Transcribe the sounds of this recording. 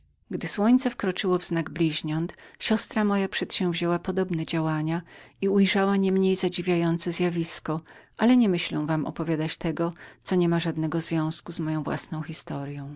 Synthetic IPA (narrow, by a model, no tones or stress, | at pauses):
ɡd̪ɘswɔɲt̪sɛfkɾɔt͡ʂɘwɔvznaɡblʲiʑɲɔnt̪ɕɔst̪ɾamɔjapʂɛt̪ɕɛ̃w̃vʑɛwapɔd̪ɔbnɛd͡ʑawaɲaiujʐawaɲɛmɲejzad͡ʑivʲjajɔnt̪sɛzjavʲiskɔʔalɛɲɛmɘɕlɛ̃w̃vamʔɔ̰pɔvʲjad̪at͡ɕt̪ɛɡɔt̪sɔɲɛmaʐad̪nɛɡɔzvʲjɔ̃w̃skuzmɔjɔ̃w̃vwa̰snɔ̃w̃xʲist̪ɔɾjɔ̃w̃